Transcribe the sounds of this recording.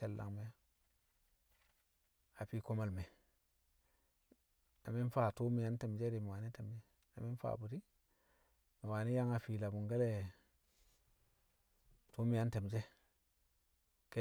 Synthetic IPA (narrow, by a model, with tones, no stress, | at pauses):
e˨lːa̰˨ŋme˨ja˦ | a˨pi˦ko˦ma˨lme˨ | na˨mi˦n˦fa˦˨tu˦mi˨ja˦nte˨md͡ʒe˦ɾi˨mi˨waː˨ni˦te˨md͡ʒe˦ | na˨mi˦n˦fa̰˨bu˨ti˦ | mi˨wa˨ni˦ja˦ŋa˨fi˨la˨bu˨ŋɡe˦le˦ | tu˦mi˨ja˦nte˨m˨d͡ʒe˦ | ke˦